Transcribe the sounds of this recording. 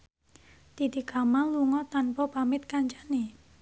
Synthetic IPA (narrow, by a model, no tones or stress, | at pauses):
t̪it̪ikamaluŋɔt̪anpɔpamɪt̪̚kaɲt͡ʃani